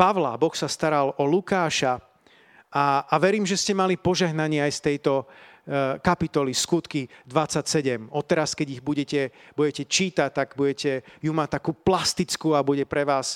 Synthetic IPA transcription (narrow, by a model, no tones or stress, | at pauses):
paʋla̰bɔxsast̪aɾalɔlukaːʃa | aːʋɛɾiːmʒɛscɛmalipɔʒɛɦnaɲɪɛajst̪ɛjt̪ɔ | kapit̪ɔliskut̪kid̪ʋat͡sːacsɛɟɛmɔt̪ɛɾaskɛɟiɣbuɟɛcɛbuɟɛcɛt͡ʃiːt̪ac̚t̪aɡbuɟɛcɛjumat̪akuːplast̪it͡skuabuɟɛpɾɛʋaːs